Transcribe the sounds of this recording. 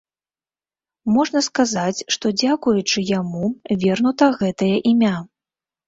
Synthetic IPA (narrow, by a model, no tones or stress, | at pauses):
mɔʐn̪ɐskazat͡sʲʂt̪ɔd͡zʲakujut͡ʂɨjamuvʲɛrnut̪ɐɣɛt̪ɐjɐʔimʲa